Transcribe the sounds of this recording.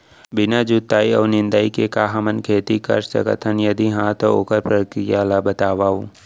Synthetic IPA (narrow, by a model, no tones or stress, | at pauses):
bɪnad͡ʒut̪ːaːiɔ̰ːnɪ̃nd̪aːikekaːɦamənkʰeːt̪ikɐ̰ɾsɐ̰kə̰t̪ʰənjɐd̪iɦãt̪oo̰ːkəɾpɾəkɾijaːlabɐt̪aːʋaːo